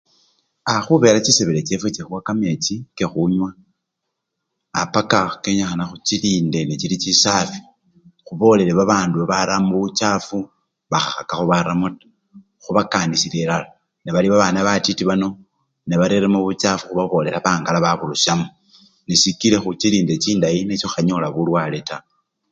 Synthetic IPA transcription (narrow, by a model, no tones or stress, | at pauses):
axuβe̞ɾat͡ʃiseβelet͡ʃe̞fet͡ʃexuwakame̞t͡ʃike̞xuɲwa | apakakeɲaxanaxut͡ʃilinde̞net͡ʃilit͡ʃisafi̥ | xuβo̞le̞leβaβaːnduβaβaɾamuβut͡ʃafu | βaxaxakaxuβaɾamutḁ | xuβakanisile̞lala | neβaliβaβaːnaβatitiβano̞ | neβaɾeɾemuβut͡ʃafuxuβaβo̞ːle̞laβaːŋɡalaβaβuluʃamu | nesikile̞xut͡ʃiliːnde̞t͡ʃiːndajinet͡ʃoxaɲolaβulwale̞ta